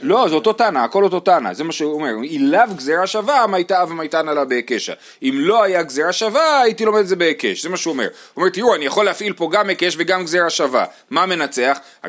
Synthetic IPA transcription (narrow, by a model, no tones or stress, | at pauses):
lo̞zeot̪o̞tanaːko̞loto̞tana̰zemaʃeome̞ʁilavɡzeʁaʃavamajtavamajt̪analabeekeʃa̰ | imloajaɡzeʁaʃavaːjitilo̞med̪edzebeekeʃze̞maʃeuome̞̰ʁ | ome̞t̪iuanijaχo̞leafilpo̞ɡamekeʃveɡamɡzeʁaʃava̰ | mame̞nat͡se̞aχ | a̰